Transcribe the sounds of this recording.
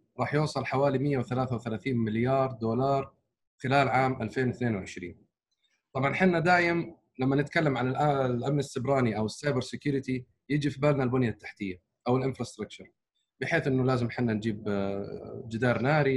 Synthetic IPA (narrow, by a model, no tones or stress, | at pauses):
ɾˤɑːħjʊːsˤɑlħawaːlimɪjːawθalaːθawɪθalaːθiːnmɪljɑːɾˤd̪uːlɑːɾˤ | xɪlaːlʕaːmʔalfeːnwɪθneːnwɪʕɪʃɾḭːn | t̪ˤɑbʕɑnħɪnːad̪aːjɪm | lamːanɪt̪kalːamʕanɪlʔalʔamnasːɪbɾˤɑːniʔawɪsːɑjbɑɾˤsɪkjʊːɾɪt̪i | jɪd͡ʒifibaːlnalbʊnjat̪ːḁħt̪ɪjːa | ʔawɪlʔɪnfɾˤɑst̪ɾˤɑk̚t͡ʃɑɾˤ | bɪħeːθʔɪnːʊlaːzɪmħɪnːand͡ʒiːb | d͡ʒɪd̪ɑːɾˤnaːɾi